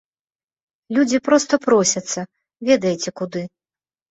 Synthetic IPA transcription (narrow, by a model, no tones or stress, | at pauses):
lʲud͡zʲipɾɔst̪ɐpɾɔsʲɐt̪sːɐ | vʲɛd̪ɐjɛt͡sʲɛkud̪ɨ